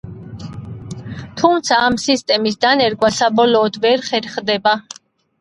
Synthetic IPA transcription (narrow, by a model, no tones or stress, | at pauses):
t̪ʰumt̪sʰaːmsist̪ʼɛmisd̪anɛɾɡwasabɔlɔːd̪vɛɾχɛɾχd̪ɛba